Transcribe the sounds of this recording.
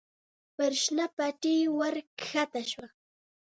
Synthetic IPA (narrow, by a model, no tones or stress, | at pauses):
pɪɾʃnapaʈ͡ʂiːwaɾkxat̪aʃwa